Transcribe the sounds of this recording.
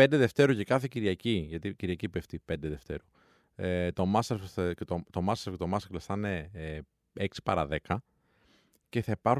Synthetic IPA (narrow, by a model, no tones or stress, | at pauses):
end̪eðe̞ft̪e̞ɾucekɐθeciɾʝɐciʝɐt̪iciɾʝɐcipeft̪ipe̞nd̪eðe̞ft̪e̞̰ɾu | et̪o̞mɐseɾfcet̪ot̪o̞mɐst̪eɾft̪omɐsklfθɐne | eksi̥pɐɾɐðe̞kɐ | ce̞θɐipɐɾx